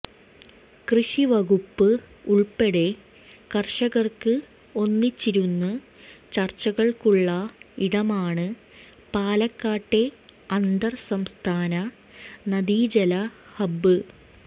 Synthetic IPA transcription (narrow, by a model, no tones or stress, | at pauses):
krɨɕiʋɐɣupːɨ | uɭpeɽe̞ | kɐrʂɐɣɐrkɨ | o̞nːit͡ɕːiɾunːu | t͡ɕɐrt͡ɕːɐɣɐɭkuɭːɐiɽɐmaːɳɨ | paːlɐkːaːʈːe̞ɐnd̪ɐrsɐmst̪ʰaːnɐ | nɐd̪iːd͡ʑɐlɐhɐbːɨ